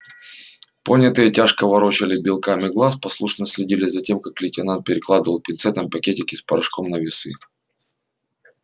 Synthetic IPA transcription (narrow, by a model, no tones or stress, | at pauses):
ponʲːɐt̪ɨjətʲaʂkəvɐɾot͡ɕɪlʲɪbʲɪlˠkamʲɪɡlˠaspɐslˠuʂnəsʲlʲɪdʲilʲɪzɐtʲe̞mkaklʲɪtʲɪnant̪̚pʲɪɾʲɪklˠad̪ɨvəlˠpʲɪnt̪sɛt̪əmpɐkʲetʲɪkʲɪspɐɾɐʂkomnəvʲɪsɨ̰